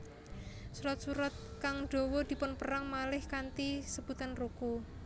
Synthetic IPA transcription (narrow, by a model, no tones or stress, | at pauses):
suɾat̪̚suɾat̪̚kaŋɖ̪̥o̤wɔd̪̥i̤pʊnpəɾaŋmalɪhkant̪isəb̥ut̪anruku